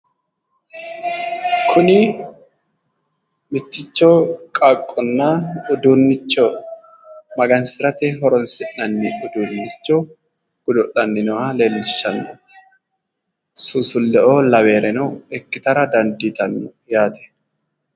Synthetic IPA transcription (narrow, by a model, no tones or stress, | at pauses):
kʰʊnɪ | mɪt̪ːɪt͡ʃːoːkʼakʼːɔnːaːʊd̪uːnːɪt͡ʃːo | mɐɡɐnsɪɾɐt̪ɛɦɔɾɔnsɪʔnɐnːɪʔʊd̪uːnːɪt͡ʃːo | ɡ̥ʊd̪ɔʔɐnːɪnɔʔale̞ːlːɪʃːɐnːɔ | sʊsʊlːɛʔoːlɐwe̞ːɾɛnɔɛkːɪt̪ɐɾɐd̪ɐnd̪it̪ɐnːʊjaːt̪ɛ̥